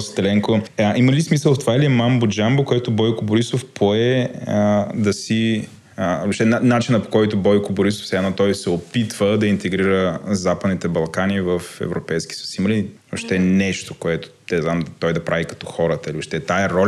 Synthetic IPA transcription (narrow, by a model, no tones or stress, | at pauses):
st̪ɛlɛŋkoiməlismisəlˠft̪ovaɛliɛmambod͡ʒambokoɛt̪ʊbɔjkʊboɾisofpʰoɛ | d̪ɐsi | oʃt̪ɛnanat͡ʃinəpo̥kɔjt̪ʊbɔjkʊboɾisofsɛɛnɔt̪ɔjsɛopit̪v̥əd̪ɐint̪ɛɡɾiɾəzapəd̪nit̪ɛbɐlˠkanivəfɛ̰vɾopɛjskʲi̥ssiməli | oʃt̪ɛnɛʃt̪o̥koɛt̪ʊ̥t̪ɛznamt̪ɔjd̪ɐpɾavikɐ̥t̪ɔ̥xɔɾət̪əilioʃt̪ɛt̪aɛɾɔl